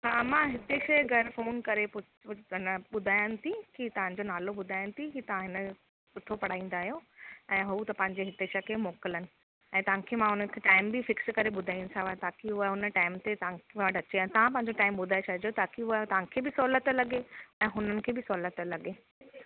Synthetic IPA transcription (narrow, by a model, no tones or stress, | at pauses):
ɦaːmãɦɪt̪eʃɐjɡʱɐɾfoːnkɐɾepʊ | nəɓʊd̪ʱaːjənɪ̆t̪ʰikit̪ɐʋ̤ãɲ̆d͡ʑonaːloɓʊd̪ʱaːjənɪ̆t̪ʰikit̪ɐʋ̤ãɦɪnə̆ | pʊt̪ʰopɐɽ̤aːĩːnd̪aːɦijoɛ̃ːɦut̪ɐpɐ̃ɦɪ̃ɲd͡ʑeɦɪt̪eʃəkʰemoːkɪlənɪ̆ | ɛ̃ːt̪ɐɦãkʰeːmãɦʊnənɪ̆kʰeːʈaːɪmbɪfɪkskɐɾeɓʊd̪ʱaːĩnɪ̆sʰãʋat̪ʰaːkiɦʊəɦʊnəʈaːɪmt̪et̪ɐãkʋaʈɐt͡ɕeãt̪ɐʋ̤ãp̬ɐ̃ɦɪ̃ɲ̆d͡ʑoʈaːɪmɓʊd̪ʱaːjot͡ɕʰɐɦd͡ʑot̪ʰaːkiɦʊət̪ɐʋ̤ãkʰeːbɪsɔːlət̪lɐɠeɛ̃ːɦʊnənɪ̆kʰeːbɪsɔːlət̪ə̆lɐɠeː